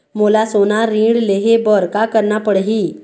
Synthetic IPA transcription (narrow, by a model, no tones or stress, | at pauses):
molasonaɾĩːɽleɦebɔɾkakəɾnapəɽɦiː